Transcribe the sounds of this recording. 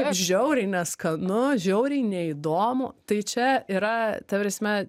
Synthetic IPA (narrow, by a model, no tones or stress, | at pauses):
ɐɪpʒʲɛʊɾʲɛɪnʲɛskɐnʊʒʲɛʊɾʲɛɪnʲɛid̪oːmʊt̪ɐɪt͡ʃʲɛiːɾɐt̪ɐpʲɾʲɛsʲmʲɛ